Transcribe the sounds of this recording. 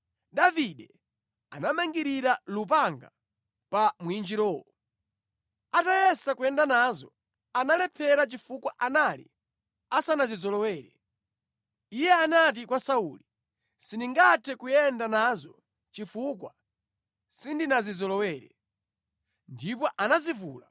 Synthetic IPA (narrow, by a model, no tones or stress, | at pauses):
ɗaviɗɛ | a̰namaŋɡiɾiɾalup̬aŋɡa̰ | pamwind͡ʒiɾɔːwɔ | atajɛsakuɛndanazɔ | analɛpʰɛɾat͡ʃifukwaʔanalḭ | asanazizɔlɔwɛːɾɛ | ijɛanat̬ikwasauli | siniŋɡatʰɛkujɛndanazɔ | t͡ʃifukwa | sindinazizɔlɔwɛːɾɛ | ndipɔʔanazivuːla